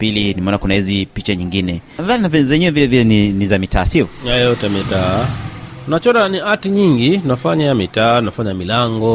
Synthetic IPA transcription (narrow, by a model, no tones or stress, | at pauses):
pilinimɛɔnakunahizipit͡ʃaɲiŋɡinɛnaðaninavɛzɛɲɛwɛvilɛvilɛninizamitaːsiɔɛjɛutamitaː | nat͡ʃɔɾaniatiɲiŋɡinafaɲamitaːnafaɲamilaŋɡɔ